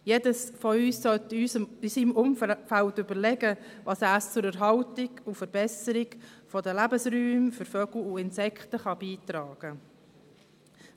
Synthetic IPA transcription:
jedəsfɔyːsːœtyisiːmʊmfæltʏbəɾlɛɡə | ʋɑsæːst͡sʊɾəɾɦɑwtɪɡufəɾbɛsəɾɪɡfɔdəlæbəsɾyːmfəɾfœɡ̥l̩uɪnsɛkχtəχɑbiːt̪ɾɑːɡ̥ə

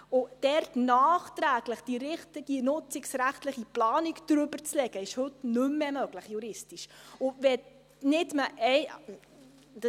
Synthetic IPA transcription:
ʊd̥ɛɾtnɑːχt̪ɾæːɡ̥ləχd̥iɾɪχtiɡ̥inʊt͡sɪksɾæχtləχiplɑːnikd̥̪ɾʏbəɾt͡slɛɡ̥əɪʃhɵtnʉmːɛmœɡ̥ləχjuɾɪstiʃʊʋɛ | nɪtməʔɛɪ

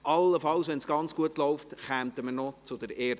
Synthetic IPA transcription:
ʔɑlːəfɑlsʋɛnsɡ̥ɑnt͡sɡ̥uətlɔʊftχæːmt̪əmənɔt͡sʊdəɾeː

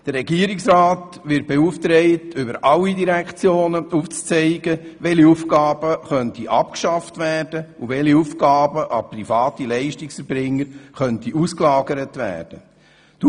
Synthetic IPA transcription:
d̥ərɛɡiəɾiksɾɑːt | ʋɪt̚b̥ɛuft̪ɾɛɪtʏbəɾɑlːidiɾækt͡sjoːnəuft͡st͡sɛɪɡəʋɛliufɡɑːb̥əχœntiʔɑpkʃɑftʋæːrd̥əuʋɛliufkɑːbəʔɑprifɑːtilɛɪʃtiksfɛɾbɾɪŋːəɾχœntiusklɑːɡəɾətʋæ̰ːd̥ə | d̥

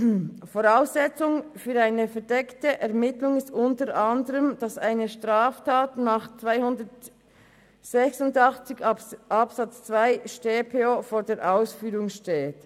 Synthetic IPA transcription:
foʁaʊsɛt͡sʊŋfyːɾaɪnəfɛʁdɛktəʔɛʁmɪtlʊŋɪstʊntəʁʔɑndəʁəmd̥ɑsa̰ɪnəʃtʁaːftʰaːtnaːχt͡svaɪhʊndət | z̥ɛçsʊndɑχt͡sɪçʔɑpsɑt͡st͡sv̥aɪʃteːpʰeːofoːɾdeːɾʔaʊsfyːʁʊŋʃteːt

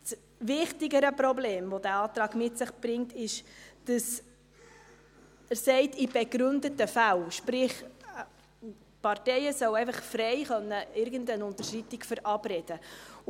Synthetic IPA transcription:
s | ʋɪχtɪɡəɾəprɔbleːmvɔdæːɑːt̪ɾɑːɡmɪtsɪχb̥ɾɪŋtɪʃd̥ɑs | əsɛɪtib̥eɡɾʉndətəfælʃpɾɪχ | pɑrtɛɪjəsœwɛɪfəχfɾɛɪχœnːəɪɾɡəndənʊntəʃitikfəɾʔɑb̥reːd̥ə

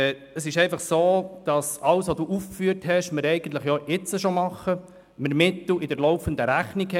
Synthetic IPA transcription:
əsɪʃɛɪnfɑχsoːd̪̥ɑsɑlsʋoduːʔufkfyəɾthɛʃməɾɛɪɡən̩t̪ləχjɔɪt͡səʃomɑχə | məɾmɪt̪l̩ɪd̥əɾlɔʊfənd̪əɾæχnikhɛ

